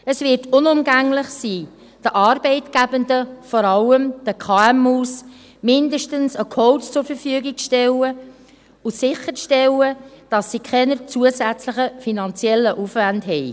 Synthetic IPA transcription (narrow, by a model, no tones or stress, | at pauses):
əsvɪtʊnʊmɡæŋlɪχsiː | d̥əʔɑːɾb̥ɛɪtɡ̥æbəndəfɔɾɑlːəmd̥əkʰɑːɛmuːs | mɪndəʃtənsəkʰɔʊtt͡sʊɾfəɾfyəɡik̚t͡sʃtɛlə | ʊsɪχːəɾt͡sʃtɛləd̥ɑsːikʰχɛnəɾt͡suəsæt͡sləχəfinɑnt͡sjɛlːəʔufʋændɦɛɪ